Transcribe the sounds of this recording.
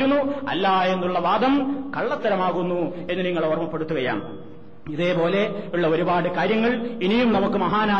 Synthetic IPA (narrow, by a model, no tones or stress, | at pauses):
unːuɐ̰lːaːe̞nːuɭːɐʋaːd̪ɐmkɐɭːɐt̪ːɐɾɐmaːɣunːue̞nːɨniŋːɐɭormɐpːe̞ɽut̪ːuɣɐja̰ːm | iðe̞ːpo̞ːle̞uɭːɐo̞ɾubaːɽɨkaːɾjɐŋːɐɭinijumnɐmukːɨmɐɦaːnaː